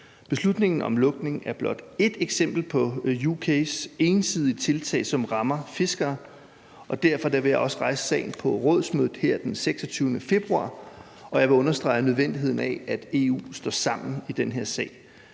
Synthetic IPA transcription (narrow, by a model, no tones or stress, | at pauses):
b̥e̝slud̥ne̝ŋn̩ɒ̽mlɔ̽ɡ̥ne̝ŋæɐb̥lɒ̽d̥e̝d̥eɡ̥sem̰b̥l̩pʰɒ̽jukʰese̝ːnsið̞ˠit͡sʰe̝lt͡sʰɛ̰ːɪsɒ̽mʁɑ̈mɐfe̝sɡ̥ɐː | ʔɒ̽d̥æɐfɒ̽d̥æʋe̝jäɪʔɒ̽səʁɑ̈ɪsə̥sɛ̰ɪn̩pʰɒ̽ʁɔð̞̰ˠsmøð̰̩ˠheɐ̰d̥enseɡ̥sɒt͡sʰyːʊnəfe̝b̥ʁuɑ̰̈ː | ɒ̽jɑ̈ʋe̝ɔ̽nɐsd̥ʁɑ̈ɪənøð̞ˠʋen̰d̥iɦe̝ð̰ˠn̩ɛæd̥e̝ːṵːsd̥ɒ̰ːsɑ̈m̰n̩id̥enɦeɐ̰sɛ̰ɪ̰